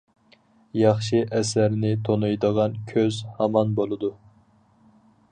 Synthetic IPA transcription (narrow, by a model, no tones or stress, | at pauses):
jɑχʃiʔɛsæɾnɪt̪ʰonujd̪əʁɑnkʲʰøzhɑmɑnbolˠɨd̪u